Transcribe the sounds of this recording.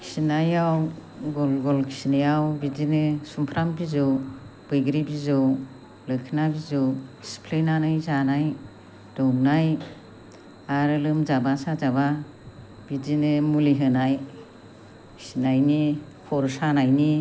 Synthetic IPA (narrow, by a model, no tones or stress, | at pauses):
kʰi̥sinajaw | ɡɔlɡɔlkʰi̥sinejawbidinɯsumpʰɾambizɯwb̥ɯjɡɾibizɯw | lɯkʰɯnabizɯwspʰlenanajzanaj | d̥ɔwmnaj | aɾɯlɯmzabasazaba | b̥id͡ʒinɯmuliɦɯnaj | kʰi̥sinajnikʰɔɾsanajni